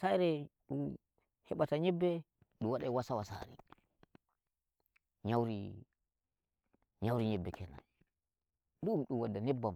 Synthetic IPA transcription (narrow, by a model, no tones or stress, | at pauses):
sajɾɛɗum | hɛɓataɲɛbːɛ | ɗuwaɗawasawasa̰ɾḭ | ɲawɾi | ɲawɾiɲɛbːɛkʰɛna̰ | ɗumɗumwadːanɛbːam